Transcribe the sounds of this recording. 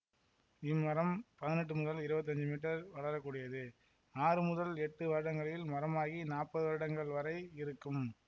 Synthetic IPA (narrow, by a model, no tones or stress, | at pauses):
ɪmːɐɾɐmpɐðɪnɛʈ̬ːɯmʊðɐlɪɾɯbɐt̪̬ːɐɲd͡ʒɯmiːʈ̬ːɐɾʋɐɭɐɾɐkːuːɽɪjɐðɯ | aːrɯmʊðɐlɛʈːɯʋɐɾɪɽɐŋɡɐɭɪlmɐɾɐmaːɣinaːɾpɐðɯʋɐɾɪɽɐŋɡɐɭʋɐɾɐɪɪɾɯkːɯm